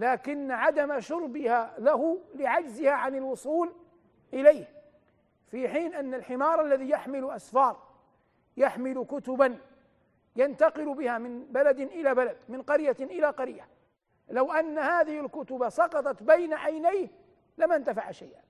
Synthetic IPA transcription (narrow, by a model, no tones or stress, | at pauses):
laːkɪnːʕad̪amʃʊɾbɪhalahʊlɪʕad͡ʒzɪhaʕanɪlwʊsˤuːl | ʔɪlajh | fiħiːnʔanːalħɪmɑːɾˤʔalːaðijaħmɪlʊʔasfɑːɾˤ | jaħmɪlkʊt̪ʊban | jant̪ɑqɪlbɪhamɪnbalad̪ɪnʔɪlabalad̪mɪnqɑɾjaʔɪlaqɑɾja | lawʔanːahaːðɪhɪlkʊt̪ʊbasˤɑqɑt̪ˤɑt̪bajnaʕajnajh | lamant̪afaʕʃajʔa